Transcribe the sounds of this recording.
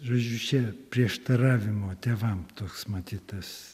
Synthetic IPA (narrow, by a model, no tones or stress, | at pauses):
ʒoːd͡ʒʲut͡ʃʲɛpʲɾʲiɛʃt̪ɐɾɑːʋʲɪmoːt̪ʲeːʋɐmt̪oːksmɐt̪ʲiːt̪ɐs